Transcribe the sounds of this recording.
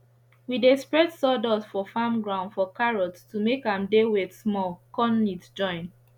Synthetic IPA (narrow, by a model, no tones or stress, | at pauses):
widespɹɛdsɔdɔsfɔfãmɡɹãʊ̃ndfɔkaɹɔttumekãmdewesmɔlkɔnlitd͡ʒɔ̃ɪ̃n